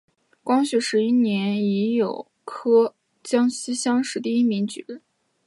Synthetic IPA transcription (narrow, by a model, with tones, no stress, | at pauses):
kwɑ˥ŋɕy˧˥˩ʂɻ̩˧˥i˥njɛ˧˥ni˧˥jo˨˩ʊ | kʰɤ˥ | t͡ɕjɑ˥ŋɕ̩˥ɕjɑ˥ŋʂɻ̩˧˥t̪i˥˧i˥mi˧˥ŋt͡ɕy̰˨˩lə˧˥